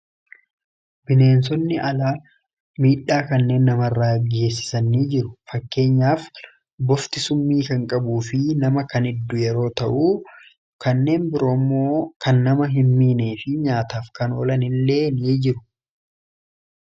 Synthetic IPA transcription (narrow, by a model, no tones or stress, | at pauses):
bɪne̞ːns̬ɔnːɪʔɐlaː | miːᶑaːkɐnːe̞ːnːɐmɐrːaːɡe̞ːsːɪ̥sɐnːiːd͡ʒɪɾʊ̥fɐkːe̞ːɲːaːf | bɔft̪ɪsʊmːiːkɐŋkʼɐbuːfɪnɐmɐkɐnɪd̪ːʊjɛɾo̞ːt̪ɐʔuː | kɐnːe̞ːnbɪɾoːmːoːkɐnːɐmɐɦɪmːiːneːfɪɲaːt̪aːfkɐno̞ːlɐnɪlːe̞ːniːd͡ʒɪɾʊ̥